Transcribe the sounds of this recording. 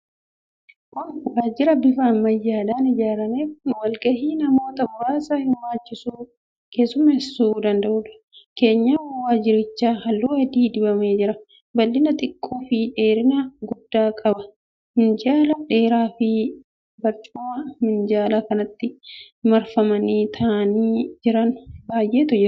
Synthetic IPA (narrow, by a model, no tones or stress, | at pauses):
kʊnwaːd͡ʒɪɾɐbɪfaːmːɐjːaːᶑaːnɪd͡ʒaːɾɐmeːfʊnwɐlkʼɐhiːnɐmo̞ːt̪ɐbʊɾaːsahɪmːaːt͡ʃːɪsuː | ke̞ːsʊmɐhɛsːuːd̪ɐnd̪ɐʔʊᶑɐ̥ | ke̞ːɲːawɐwaːd͡ʒɪɾɪt͡ʃːaːhɐlːuːɐd̪iːd̪ɪbɐme̞ːd͡ʒɪɾɐ | bɐlːɪnɐt̪ʼɪkʼːuːfɪᶑe̞ːɾɪnɐɡʊd̪ːaːkʼɐbɐ | mɪnd͡ʒaːlɐᶑe̞ːɾaːfɪ | bɐɾt͡ʃʼuːamɪnd͡ʒaːlɐkɐnɐt̪ːɪ | mɐɾfɐmɐniːt̪ʰɐʔɐniːd͡ʒɪɾɐnbaːjʔeːt̪ʊd͡ʒɪɾ